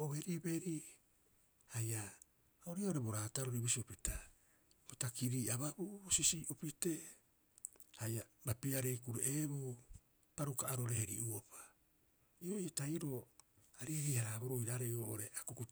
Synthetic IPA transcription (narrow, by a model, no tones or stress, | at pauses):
oβeɾibe̞ɾi | haja | oɾiaoɾe̞bo̞ɾaːtaɾoɾibisiopita | botakiɾiːʔaβabubosisiʔopite̞ | hajabapiaɾe̞jkuɾeʔeβu | paɾukaaɾoɾe̞heɾḭʔuopḁ | io̞ʔjataiɾo̞aɾiɾihaɾaboɾojɾaɾejoʔoɾeakuku